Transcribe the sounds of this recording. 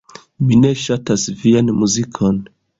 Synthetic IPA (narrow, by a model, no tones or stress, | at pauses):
minɛʃatasvianmuzikʰɔn